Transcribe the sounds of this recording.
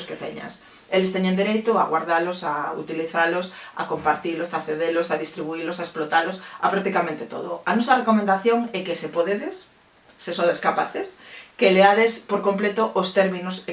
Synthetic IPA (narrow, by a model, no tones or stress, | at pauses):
sket̪ḛɲa̰s | elest̪eɲẽnd̪iɾejt̪oaɣwaɾðalosaṵt̪iliθalosa̰kompaɾt̪ilosaθeðelosaðist̪ɾiβuilosaesplot̪alosapɾak̚t̪ikamẽnt̪et̪o̰ð̞o̰anosarekomẽnd̪aθjoŋɛkesepoðeðesː | esond̪eskapaθeskeleaðespoɾkomplet̪oʔost̪eɾminos